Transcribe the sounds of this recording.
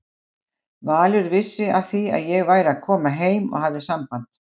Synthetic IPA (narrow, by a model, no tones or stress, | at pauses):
vaːlʏɾvɪsːɪað̥θia̰ðjɛɣvaːjɾaðkʰɔːmaɦeːjmɔ̰ɣɦavðɪsampan̥t̪